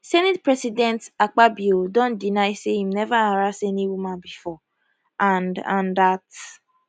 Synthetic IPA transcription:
sɛnɛt̚pɹɛsidɛ̃ntak͡pabjodõnt̚dinaɪsehimnɛvaaɾaseniwumãnbifɔ | anã̰ndat

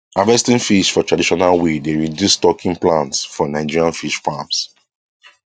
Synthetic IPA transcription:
avɛstĩnfiʃfɔtɹadiʃɔnalwedeɹidustɔkʰĩŋplãntsfɔnaɪd͡ʒiɹiãnfiʃfams

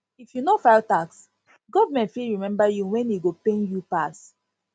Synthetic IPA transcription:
ifjunofaɪltaks | ɡɔvamɛ̃ntfilɹimɛ̃mbajuwɛ̃niɡopẽnjupas

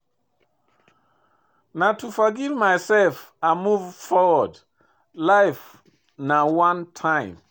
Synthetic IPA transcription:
natʰufɔɡivmajsɛlf | amuvfɔwɔd | laɪf | nawãntʰãɪ̃m

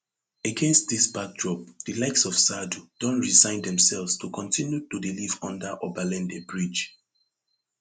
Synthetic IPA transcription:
əɡɛ̃nst̚ðisbak̚dɹɔp̚d̥ilaɪksɔv̥sadud̥ɔ̃ntɹizãɪ̃ndɛ̃msɛlvstʰukʰɔ̃ntʰĩnjutudilivɔ̃ndəʔɔbalɛ̃ndebɹid͡ʒ

